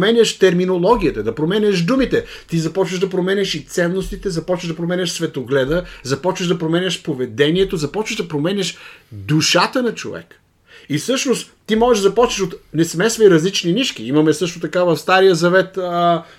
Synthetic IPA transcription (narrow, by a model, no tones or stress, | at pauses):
mɛnʲɐʃt̪ɛɾminolˠɔɡ̟ʲiət̪ɐd̪ɐpɾomɛnʲɐʒd̪umit̪ɛt̪izɐpɔt͡ʃvɐʒd̪ɐpɾomɛnʲɐʃit̪sɛnːost̪it̪ɛzɐpɔt͡ʃvɐʒd̪ɐp̬ɾomɛnʲɐʃsvɛt̪oɡlɛd̪əzɐpɔt͡ʃvɐʒd̪ɐpɾomɛnʲɐʃpovɛd̪ɛniɛt̪ozɐpɔt͡ʃvɐʒd̪ɐpɾomɛnʲɐʃd̪uʃat̪ənɐt͡ʃo̰vɛ̰k | isɤʃnost̪ | t̪ːimɔʒɛʒd̪zɐpɔt͡ʃvɐʃot̪nɛsmɛsvɐiɾɐzlit͡ʃniniʃkiimɐmɛsɤʃt̪ot̪ɐkavɐfst̪aɾijəzɐvɛt̪ə